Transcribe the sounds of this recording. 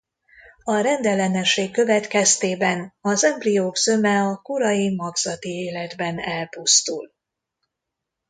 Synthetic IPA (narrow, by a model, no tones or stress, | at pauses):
ɒɾɛnd̪ɛlɛnɛʃeːkːø̞vɛt̪kɛst̪eːbɛnɒzɛmplijoːɡzø̞mɛɒkuɾɒjimɒɡz̥ɒt̪ieːlɛd̪bɛnɛlpust̪ṵl